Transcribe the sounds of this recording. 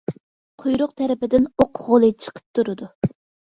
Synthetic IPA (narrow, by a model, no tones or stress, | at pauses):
qʰojɾʊq̚t̪ʰɛɾɪpɪd̪ɪnoqʰʁolˠɨt͡ʃʰə̥qʰə̥p̚t̪ʰuɾɨd̪u